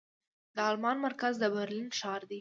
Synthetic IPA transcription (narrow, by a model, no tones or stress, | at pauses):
d̪əɑlmɑnmaɾkazd̪əbaɾlinʃɑɾd̪i